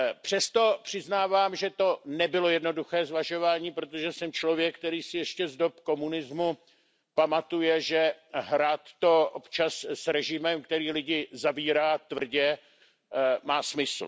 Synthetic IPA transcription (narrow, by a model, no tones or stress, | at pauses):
pr̝̥ɛst̪o̞pr̝̥ɪznaːvaːmʒɛt̪o̞nɛbɪlo̞jɛdno̞duxɛːzvaʒo̞vaːɲiːpɾo̞t̪oʒɛsɛmt͡ʃlo̞vjɛk̚ːt̪ɛɾiːsɪjɛʃcɛzdo̞pko̞munɪzmu | pamat̪ujɛʒɛɦɾaːt̪ːo̞ʔopt͡ʃassɾɛʒɪmɛmkt̪ɛɾiːlɪɟɪzaviːɾaːt̪vr̩ɟɛ | maːsmɪsl̩